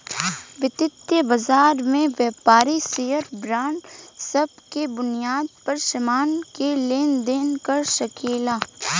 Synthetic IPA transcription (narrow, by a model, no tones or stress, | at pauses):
ʋɪt̪ɪt̪jəbɐzaːɾmẽʋjɛːpaːɾiseːjəɾbɾãːɳɖsɐb̚kebʊnijaːd̪̚pɐɾʃɐmaːnkeleːnd̪eːnkɐɾʃɐkʰeːlaː